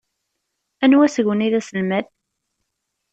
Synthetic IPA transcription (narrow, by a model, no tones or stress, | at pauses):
ænwæsʝʷəniðæsəlmæð